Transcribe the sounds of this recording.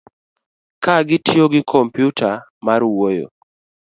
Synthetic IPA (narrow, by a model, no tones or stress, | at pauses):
kaɡɪtjoɡɪkʰompjutʰa | maɾwojo̰